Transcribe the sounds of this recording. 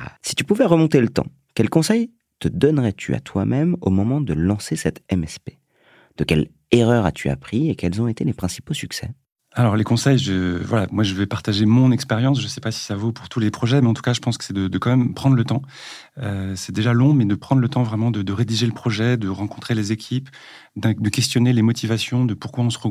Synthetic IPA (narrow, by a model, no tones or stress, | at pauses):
a̰si̥t̪ypuvɛʁəmɔ̃t̪elət̪ɑ̰̃ | kʲɛlkɔ̃sɛj | t̪əd̪ɔnʁɛt̪ʰya̰t̪wa̰mɛmo̰mɔmɑ̃d̪əlɑ̃sesɛt̪ɛmɛspe | d̪̥əkʲɛl | eʁœʁa̰t̪ʰya̰pχiekɛlzɔ̃et̪elepχɛ̃si̥posyksɛ̰ | alɔʁlekɔ̃sɛjʒəvwalamwaʒəvɛpaʁt̪aʒemɔ̃nɛkspɛʁjɑ̃s̬ʒəsɛpasi̥savopuʁt̪ulepχɔʒɛmɛɑ̃t̪u̥kaʒəpɑ̃skə̥sɛd̪əd̪əkɑ̃mɛmpχɑ̃d̪ʁlət̪ɑ̃ | øsɛd̪eʒalɔ̃mɛd̪əpχɑ̃d̪ʁlət̪ɑ̃vʁɛmɑ̃d̪əd̪əʁed̪iʒeləpχɔʒɛd̪əʁɑ̃kɔ̃t̪χelezekʲʰip | d̪ɛ̃d̪əkʲɛst̪jɔnelemɔt̪ivasjɔ̃d̪əpuʁkwaɔ̃səʁə